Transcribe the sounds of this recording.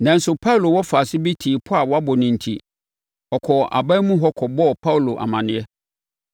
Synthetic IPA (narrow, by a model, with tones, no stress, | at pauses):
nã˨n̩˦sʊ˨pʰa˦u˨lo˨wɔ˦fa˨sɪ˦bi˦tʰi˨pʰʊ˦a˨wɔ˦a˦bɔ˨nɪ̃˨n̩˨tʰi˦ | ɔ˨kʰɔ˨ʔa̰˨ba˦mũ˦ɦɔ˦kʰɔ˨bɔ˦˨pʰa˦wlo˨ʔa̰˨mã˨nɪ̃˨ɛ˦